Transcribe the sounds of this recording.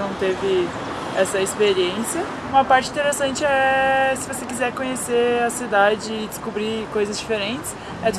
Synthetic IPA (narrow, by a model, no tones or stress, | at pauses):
ɐ̃w̃t̪evɪ | ɛsɐispeɾiẽsiɐ | ũmɐpaɾt͡ʃɪĩt̪eɾesɐ̃nt͡ʃɪɛsɪvosekizɛɾkõɲeseɐsid̪ad͡ʒɪːd͡ʒɪskubɾikojzɐzd͡ʒifeɾẽt͡ʃɪ̥s | ɛt̪